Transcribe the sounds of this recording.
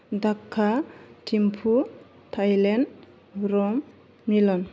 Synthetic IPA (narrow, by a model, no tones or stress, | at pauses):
d̪akʰːatʰimpʰu | tʰajlɛn | ɾɔm | milɔn